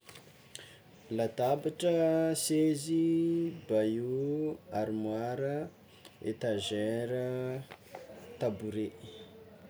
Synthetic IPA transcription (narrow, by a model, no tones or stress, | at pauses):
lat̪abaʈ͡ʂəsezibajuaɾimwaɾə | ḛt̪aʒeɾə | t̪abuɾe